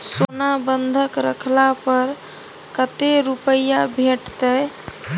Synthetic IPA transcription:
sonabənd̪ʱəkɾə̰kʰlapəɾ | kət̪eɾupəjabʱeʈt̪əj

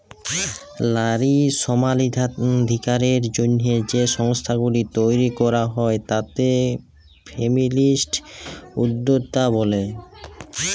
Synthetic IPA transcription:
laɾiʃɔmalid̪ʱikaɾeɾd͡ʑonːed͡ʑeʃɔŋst̪ʰaɡulit̪ojɾikɔɾaɦɔet̪at̪e | fʰemilisʈud̪ːod̪t̪abole

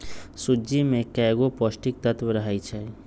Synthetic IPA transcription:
sud͡ʒimẽkɛːɡopɔsʈik̚t̪ət̪ʋəɾəɦait͡ʃʰɛ

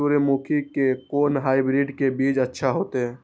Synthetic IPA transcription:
uɾemukʰikekoːnɦaːibɾiɖkebid͡ʒətːʃʰaɦoːt̪e

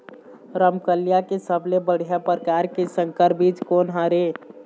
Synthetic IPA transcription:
ɾəmkəlijakesəblebəɽ̤ijapɾəkaːɾkesə̃ŋkəɾbiːt͡ʃkoːnɦaɾe

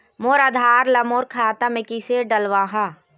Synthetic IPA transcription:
moːɾɐd̪ʱaːɾlɐmoːɾkʰaːt̪amekiseɖɐlʋaːɦã

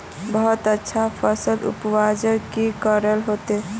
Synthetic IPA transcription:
bəɦut̪ətːʃʰapʰəsəlṵpwad͡ʒəɾkikəɾəlɦot̪e

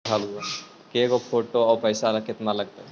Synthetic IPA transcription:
alɦua | kekopʰoːʈoɔːɾpəjsalakɪt̪naləɡ̚t̪aɦɛ

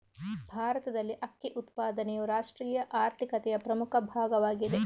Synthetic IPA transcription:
bʱaːɾɐt̪ɐd̪ɐlːiʔɐkːiʔut̪paːd̪ɐnɛjuɾaːʂʈɾiːjɐʔaːɾt̪ʰikɐt̪ɛjɐpɾɐmukʰɐbʱaːɡɐʋaːɡid̪e

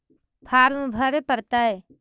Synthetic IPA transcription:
pʰaːɾũbʱəɾepəɾt̪ae

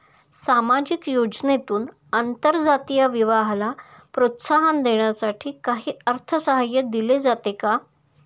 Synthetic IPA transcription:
samad͡ʑikjod͡ʑnet̪uːn | ant̪əɾd͡zat̪ijaʋiʋaɦla | pɾot̪saɦand̪eɳ̃jasaʈʰiːkaɦiːəɾt̪ʰəsəɦajəd̪iled͡zat̪eka

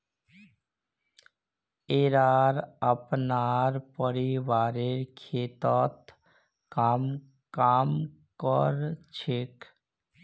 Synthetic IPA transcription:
eɾaɾəpnaɾpɔɾibaɾeɾkʰet̪ɔt̪ | kam | kamkɔɾt͡ʃʰek

